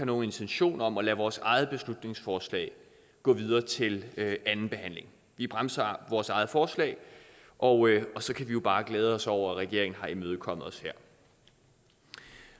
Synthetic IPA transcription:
ɑno̝ːe̝nt͡sʰenɕo̝̰ːnɐɒ̽mɒ̽læʋɒːsɑ̈ɪð̞̩ˠb̥e̝slud̥ne̝ŋsfɒːslɛ̰ːɪ | ɡ̥ɔ̰̽ːʋið̞ˠɐːt͡sʰe̝løænn̩b̥e̝hæn̰le̝ŋ | ʋib̥ʁamsɐʋɒːsɑ̈ɪð̞̩ˠfɒːslɛ̰ɪ | ʔɒ̽ɒ̽sɒ̽kʰæʋijo̝b̥ɑ̈ːɡ̥leːð̞ˠəɒ̽sɒʊ̰ɐæʁɛɡ̥e̝ɐ̰e̝ŋn̩ɦɑ̈imøːð̞̩ˠəkʰɒ̽m̰əð̩ˠɒ̽sheɐ̰

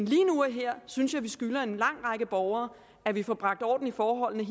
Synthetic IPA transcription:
nliːnuæɦeɐ̰synsjɑɪʋisɡ̥ylɐe̝nlɑ̈ŋ̰ʁɑ̈ɡ̥əb̥ɒʊɐː | æʋifɒːb̥ʁɑ̈ɡ̥̚d̥ɒ̰ːd̥n̩ifɒːɦɒ̽l̰nə

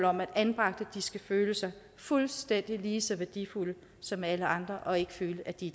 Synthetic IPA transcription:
lɒ̽mæd̥ænb̥ʁɑ̈ɡ̥̚d̥əd̥isɡ̥æføːləsɑ̈ɪ | fulsd̥en̰d̥iliːsɒ̽ʋæɐd̥ḭfulə | sɒ̽mæləʔɑ̈nd̥ʁɐʔɒ̽e̝ɡ̥ə̥føːləʔæd̥id̥

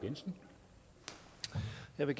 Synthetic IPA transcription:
ɡ̥ensn̩ | jɑɪʋeɡ̥

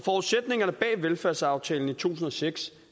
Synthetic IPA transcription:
fɒʊðˠsed̥ne̝ŋɐnəb̥ɛ̰ːʋelfæɐsɑ̈ʊt͡sʰɛ̰ːln̩it͡sʰṵːs̬n̩ɒ̽seɡ̥s

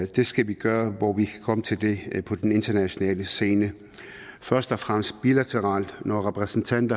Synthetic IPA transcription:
d̥e̝sɡ̥æʋiɡ̥ɶːɐʋɒʋikʰæ̥kʰɒ̽mət͡sʰe̝ld̥e̝pʰɒ̽d̥ene̝nd̥ɐnæɕo̝nɛ̰ːləse̝ːnə | fɶɐsd̥ɒfʁam̰sd̥̚b̥ilæt͡sʰəʁɑ̈ːld̥nɒʁɛpʰʁɛsn̩t͡sʰæn̰d̥ɐ

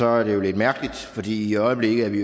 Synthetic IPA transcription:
ɒ̽æɐɾe̝jo̝le̝d̥mæɐɡ̥əlid̥fɒ̽d̥ḭːiɒ̽ɪəb̥le̝ɡ̥ð̩ˠæʋi

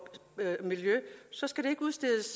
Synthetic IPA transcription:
miljøsɒ̽sɡ̥æɾ̥e̝e̝ɡ̥uðˠsd̥e̝ðˠəs

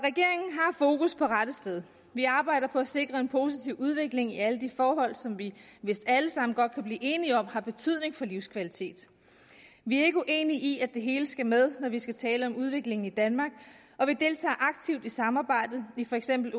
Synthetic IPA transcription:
ʁɛɡ̥e̝ɐe̝ŋn̩ɦɑ̈fo̝ːkuspʰɒ̽ʁad̥əsd̥eð̞ˠ | ʋiɑ̈ːb̥ɑ̈ɪ̰d̥ɐpʰɒ̽æse̝ɡ̥ʁɐe̝npʰo̝sit͡sʰiʊ̰ʔuð̞ˠʋe̝ɡ̥le̝ŋiæləd̥ifɒːɦɒ̽l̰sɒ̽mʋiʋe̝sd̥æləsɑ̈m̰n̩ɡ̥ɒ̽d̥̚kʰæb̥liːʔe̝ːniɒ̽m̰hɑ̈b̥e̝t͡sʰyð̞ˠne̝ŋfɒ̽liʊskʰʋælit͡sʰe̝̰ːd̥ | ʋiæe̝ɡ̥əuʔe̝ːniʔiæ̥e̝ɦe̝ːləsɡ̥æmeð̞ˠnɒʋisɡ̥æt͡sʰɛːləɒ̽muð̞ˠʋe̝ɡ̥le̝ŋn̩id̥ænmɑ̈ːɡ̥̚ | ɒ̽ʋid̥e̝lt͡sʰɛ̰ːʔɑ̈ɡ̥̚t͡sʰiʊ̰d̥isɑ̈mɑ̈ːb̥ɑ̈ɪ̰d̥ð̩ˠifɒ̽eɡ̥sem̰b̥l̩

